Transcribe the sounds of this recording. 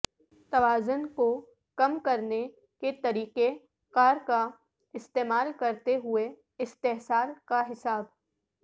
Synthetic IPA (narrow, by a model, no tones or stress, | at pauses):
t̪ɐʋaːzʊnko | kɐmkɐɾne | ket̪ɐɾiːqe | kaːɾka | ɪst̪eːmaːlkɐɾt̪eɦʊe | ɪst̪eɦsaːlkaɦɪsaːb